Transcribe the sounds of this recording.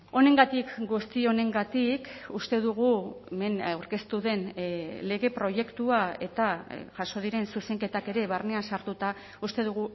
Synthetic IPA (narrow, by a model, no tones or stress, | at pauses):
o̞ne̞ŋɡat̪ikɡust̪io̞ne̞ŋɡat̪ikust̪e̞ðuɣ̞ueme̞nawɾke̞st̪uðe̞nle̞ɣe̞pɾo̞je̞kt̪uae̞̰t̪aʝaso̞ð̞iɾe̞nsuse̞ŋke̞t̪ake̞ɾe̞βarne̞ansaɾt̪ut̪a | ust̪e̞ðuɣ̞u